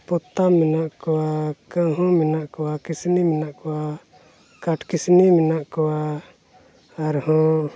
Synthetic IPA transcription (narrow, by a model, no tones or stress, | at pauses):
pɔt̪amːɛnaʔkɔwakə̃ɦɔ̃minaʔkɔwakisniminaʔkɔwa | kaʈkisniminaʔkɔwa | aɾhɔ̃